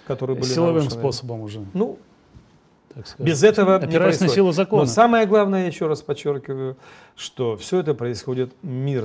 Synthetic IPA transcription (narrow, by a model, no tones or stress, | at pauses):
kɐt̪o̞ɾɨjəbɨlsʲɪɪlˠɐvɨmsposəbəmʊʐɛnu | t̪akskɐbʲɪzɛt̪əvəɐnʲɪɾaɪsnʲsʲilˠʊzɐkonosaməjəɡlˠavnəjəjajɪɕːo̞ɾaspɐt͡ɕːorkʲɪvəjʊ | ʂt̪o̞fsʲɵɛt̪̬əpɾəɪsxo̞dʲɪt̪mʲir